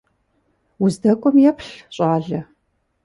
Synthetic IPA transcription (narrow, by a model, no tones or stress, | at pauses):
wʊzdɐkʷʼɔmjɛpʰɬɕʼaːɮɐ